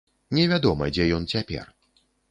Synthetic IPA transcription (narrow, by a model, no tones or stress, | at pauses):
nʲɛvʲad̪ɔmɐd͡zʲɛjɔnt͡sʲapʲɛ̰r